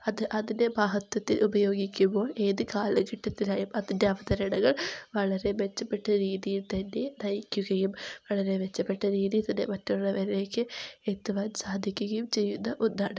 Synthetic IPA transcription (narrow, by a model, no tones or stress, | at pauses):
ɐðɨʔɐðinde̞baːɦɐt̪ːɐt̪ːilʔubɐjo̞ːɡikʲːumbo̞ːɭe̞ːðɨkaːlɐkiʈːɐt̪ːilaːjumɐðinde̞ɐʋɐt̪ɐɾɐɳɐŋːɐɭʋɐɭɐɾe̞ʋe̞t͡ɕːɐpːe̞ʈːɐɾiːðijilt̪ɐnːe̞nɐjikʲːuɣɐjumʋɐɭɐɾe̞ʋe̞t͡ɕːɐpːe̞ʈːɐɾiːðijt̪ɐnːḛmɐtːoɭːɐʋɐɾile̞ːkʲːɨet̪ːɐʋaːnsaːd̪ʱikʲːuɣɐjumt͡ɕe̞jːunːɐʔonːaːɽɨ